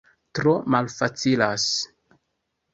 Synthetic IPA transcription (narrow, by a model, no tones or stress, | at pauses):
tɾomalfat͡silas